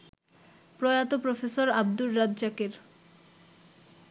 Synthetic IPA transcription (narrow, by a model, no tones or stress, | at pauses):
pɾojat̪opɾofesoɾab̚d̪ulːad̪d͡ʑakeɾ